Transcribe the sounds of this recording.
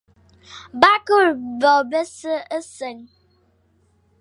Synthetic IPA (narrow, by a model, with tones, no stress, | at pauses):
ba˦kə˦ɾbɔ˨be˦sə˦ə˦sə˨n